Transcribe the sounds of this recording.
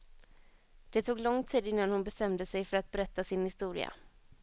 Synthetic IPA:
d̪̥ɛt̪ʰuːɡlɔŋt̪ʰiːd̪ɪnːanhʊnbɛst̪ɛmd̪əsɛjfœɾat̪̚bɛɾɛt̪ːasɪnhɪst̪uːɾɪ̰a̰

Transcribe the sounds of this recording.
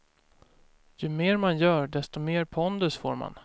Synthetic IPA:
jɵmeːɾmanjœːɖɛst̪ɔmeːɾpʰɔnd̪ɵsfo̰ːɾma̰n

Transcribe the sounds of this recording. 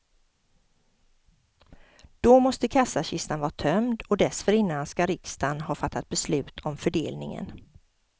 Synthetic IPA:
d̪̥ɔmɔst̪əkʰasːaɕɪst̪anvɑːat̪ʰœmd̪ɔd̪ɛsfœɾɪnːanskaɾɪkst̪anɦɑːfat̪ʰːat̪̚bɛslʉ̟ːt̪ʰɔmfœɖeːlnɪ̰ŋə̰n

